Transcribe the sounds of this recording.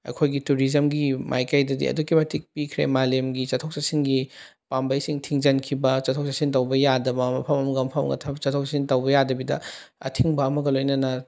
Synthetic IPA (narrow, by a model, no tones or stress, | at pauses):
ɐ̰kʰojɡituɾizɐmɡimʔa̰jkajdɐdḭɐ̰dukimetʰik̚pikʰɾemalemɡit͡ʃɐtʰok̚sɐsiŋɡi | pambɐjsiŋtʰiŋzɐnkʰibɐt͡ʃɐtʰoksɐsintɐwbɐjadɐbɐmɐpʰɐmɐmɐɡɐmpʰɐmɐ̰ɡɐ̰tʰɐbɐt͡ʃɐtʰok̚sasintɐwbɐjadɐbidɐ̰ | ɐ̰tʰiŋbɐːmɐɡɐlojnɐnɐ